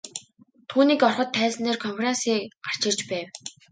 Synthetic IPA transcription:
t̪ʰuːniːkɔrχɞ̆t̪ʰːæːsneːrkʰɔmperensiːkɢar̥t͡ɕɪ̆rt͡ɕpæːw

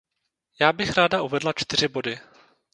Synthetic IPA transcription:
jaːbɪxɾaːdaʔuvɛdlat͡ʃt̪ɪr̝ɪbo̞dɪ

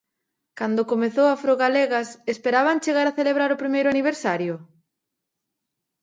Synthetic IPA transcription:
kand̪okomeθowafɾoɣaleɣɐsespeɾaβaŋt͡ʃeɣaɾaθeleβɾaɾʊpɾimejɾʊaniβ̞eɾsaɾjʊ

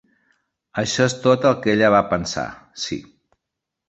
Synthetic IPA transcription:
əʃɔest̪ot̪əlˠkeʎəβ̞apənsa̰sḭ

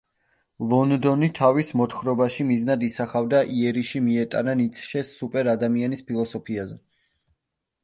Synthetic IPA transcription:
lˠɔnd̪ɔnit̪ʰavismɔt̪χɾɔbaʃimiznad̪isaχavd̪aʔiɛɾiʃimiɛt̪ʼa̰nanit̪sʰʃɛsupʼɛɾad̪amianispʰilˠɔsɔpʰiazɛ

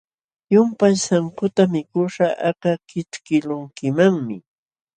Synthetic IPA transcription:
jʊmpajsaŋkʊt̪amɪkʊʂaʔakakɪt͡skɪlʊŋkɪmaŋmɪ

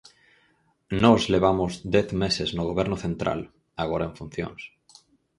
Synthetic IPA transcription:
nɔzleβ̞amozd̪eθmeseznoɣ̞oβ̞eɾnoθẽnt̪ɾa̰l | aɣ̞oɾaeɱfun̟θjo̰ŋs

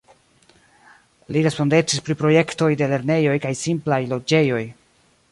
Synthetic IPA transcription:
liɾe̞spo̞nde̞t͡ʃispɾipɾo̞je̞kto̞jde̞le̞ɾne̞jo̞jkajsimplajlo̞d͡ʒe̞jo̞j

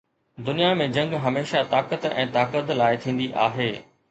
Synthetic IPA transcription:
d̪ʊnijamẽd͡ʑɐ̃ŋɡɦɐmeːʃat̪aːkət̪ɛ̃ːt̪aːkət̪laːɪt̪ʰĩːn̆d̪iʔa̰ːɦeː

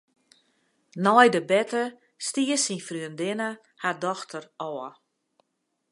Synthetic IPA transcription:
nɔjdəbɛtə | stiəsinfryəndɪnə | hadɔxtʰərɔːə

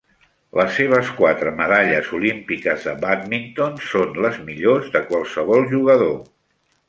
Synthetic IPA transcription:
ləsːeβ̞əskwat̪ɾəməðaʎəzulimpikəzðəβat̪mint̪onsonləzmiʎozðəkwalˠsəβɔlˠʒuɣəðo

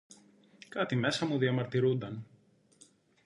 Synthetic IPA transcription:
kɐt̪ime̞sɐmuðiɐmɐɾt̪iɾund̪ɐn

